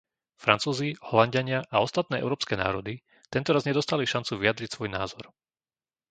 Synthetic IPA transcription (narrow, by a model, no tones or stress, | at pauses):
fɾant͡suːzihɔlaɲɟaɲɪaʔaɔst̪at̪̚nɛːʔɛ̰ʊɾɔːpskɛːna̰ːɾɔd̪i | t̪ɛnt̪ɔɾazɲɛd̪ɔst̪aliʃant͡suʋiad̪ɾicsʋɔjna̰ːzɔɾ